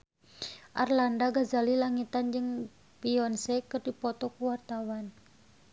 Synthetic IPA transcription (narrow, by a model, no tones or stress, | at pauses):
ʔarlandaɡazalilaŋit̪and͡ʒɨŋ | piɔnsɛkɨrdipɔt̪ɔkuwart̪awan